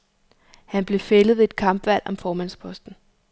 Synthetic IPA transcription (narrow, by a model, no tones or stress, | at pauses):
hænb̥le̝feləðˠeed̥̚kʰɑ̈mb̥ʋæl̰ɒ̽mfɒːmæn̰spʰɒ̽sd̥n̩